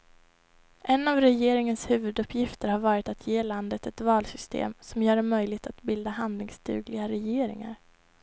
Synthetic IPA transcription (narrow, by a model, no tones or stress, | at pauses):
ʔɛnːavɾɛjeːɾɪŋənshʉ̟ːvɵd̪ɵpːjɪft̪əɾhaɾvɑːɾɪt̪at̪ʰjeːland̪ət̪ɛt̪vɑːlsʏst̪ʰḛːmsɔmjœːɖɛmœjlɪɡt̪at̪bɪld̪aɦand̪lɪŋst̪ʰʉ̟̰ːɡlɪɡaɾɛjeːɾɪ̰ŋa̰ɾ